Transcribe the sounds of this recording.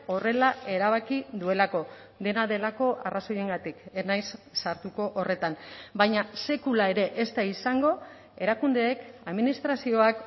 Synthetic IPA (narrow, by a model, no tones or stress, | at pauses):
o̞re̞lae̞ɾaβ̞akiðue̞lako̞ | d̪e̞naðe̞lako̞ʔaraso̞je̞ŋɡat̪ikenajsːaɾt̪uko̞ʔore̞t̪anbajɲase̞kulae̞ɾe̞ʔest̪aisaŋɡo̞ | e̞ɾakund̪e̞ːkaðminist̪ɾasio̞ak